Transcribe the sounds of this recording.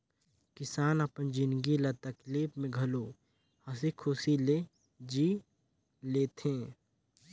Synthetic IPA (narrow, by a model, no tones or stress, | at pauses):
kɪsaːnɐpənd͡ʒɪnɡilat̪ɐkliːpmẽɡʱɐloː | hɐsikʰʊsile | d͡ʒiː | leːt̪ʰẽː